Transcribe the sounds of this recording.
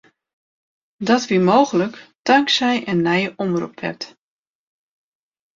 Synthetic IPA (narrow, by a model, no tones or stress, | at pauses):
dɔtʋimoːɣələktaŋksɛjʔənːɛjəʔɔmrṵpʋɛ̰p̚t